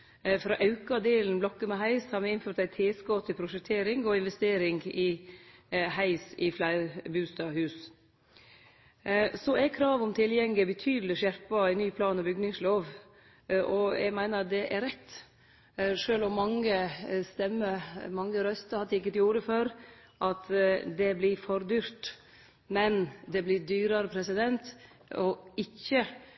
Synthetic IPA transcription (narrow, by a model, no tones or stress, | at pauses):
fɾɑːʔɑʉkɑd̪eːln̩blɔkːəmɛɦæɪshɑɾmɛɪnføːɾt̪æɪt̪ʰeːskɔːt̪ʰɪpʰɾʊʂɛk̚t̪ʰeːɾɪŋɔɪnʋɛst̪eːɾɪŋɡɪ | hæɪsɪflæɪɾbʉːst̪ɑhʉːs | sɔækʰɾɑːʋɔmt̪ʰɪljɛŋlɪbət̪ʰyːd̪l̩ɪʂæɾpɑænyːpʰlɑːnɔbʏɡnɪŋsloːʋ | ʔɔɛ̰ɡmæɪnəɾɑd̪ɛʔæɾɛt̪ː | ʂøːlɔmːɑŋːəst̪ɛmːəɾmɑŋːəɾœst̪əhɑd̪ɪkːət̪ɪjuːɾəføɾʔɑt̪d̪ɛblɪfɔɾd̪yːɾt̪ | mɛnd̪ɛblɪd̪yːɾɑɾəpʰɾɛsɪd̪ɛnt̪ | ɔɪçːə